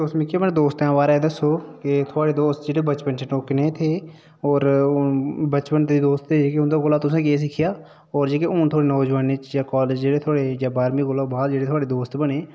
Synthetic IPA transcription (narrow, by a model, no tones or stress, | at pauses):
t̪osmɪkʰeːmɛnːd̪oːst̪ɛ̃ːʋaːɾɛd̪əsːoːkɪt̪ʰʊaːɽeːd̪oːst̪d͡ʒeːɽeːbət͡ʃpənt͡ʃʰeʈoːkneːt̪ʰeː | ɔːɾ | bət͡ʃpənd̪id̪oːst̪ed͡ʒeːkeʊnd̪aːɡoːlaːt̪ʊs̬ẽːkeːs̬ɪkʰːɪjaː | ɔːɾd͡ʒeːkeʊːnt̪ʰoːɽeːnoːd͡ʒʋaːnɪt͡ʃjaːkaːled͡ʒd͡ʒeːɽeːt̪ʰoaːɽeːjaːbaːɾmiːɡoːlaːbaːld͡ʒeːɽeːt̪ʰaːɽeːd̪oːst̪bəneː